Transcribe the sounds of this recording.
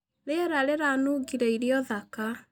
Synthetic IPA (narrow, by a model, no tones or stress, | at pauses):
leɛɾaɾeɾanuɡiɾɛiɾjɔðaka